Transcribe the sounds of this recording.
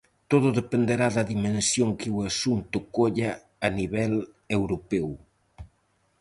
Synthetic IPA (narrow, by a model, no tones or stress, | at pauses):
t̪oðʊðepend̪eɾaðɐðimẽnsjoŋkɪwasunt̪ʊkoʎa | aniβɛl | ewɾopɛw